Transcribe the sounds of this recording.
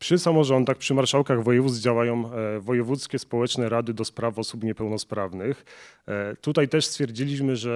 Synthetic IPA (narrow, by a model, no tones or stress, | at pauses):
pʂɘsamɔʐɔnd̪axpʂɘmaɾʂawkaɣvɔjɛvud̪zd͡ʑawajɔ̃w̃vɔjɛvut̪skʲɛspɔwɛt͡ʂnɛɾad̪ɘd̪ɔspɾafɔsupɲɛpɛwnɔspɾavnɘx | t̪ut̪ajt̪ɛʂst̪fʲjɛɾd͡ʑilʲiɕmɘʐɛ